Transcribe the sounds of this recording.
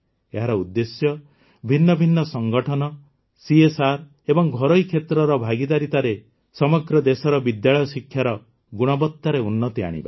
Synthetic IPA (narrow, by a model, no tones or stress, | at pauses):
eɦaɾɔud̪ːesjɔ | bʱinːɔbʱinːɔsɔŋɡɔʈʰɔnɔ | siesaɾ | ebɔŋɡʱɔɾɔikʰet̪ɾɔɾɔbʱaɡid̪aɾit̪aɾe | sɔmɔɡɾɔd̪esɔɾɔbid̪jaɭɔjɔsikʰːjaɾɔ | ɡuɽ̃ɔbɔt̪ːaɾeunːɔt̪ia̰ɽ̃ḭba̰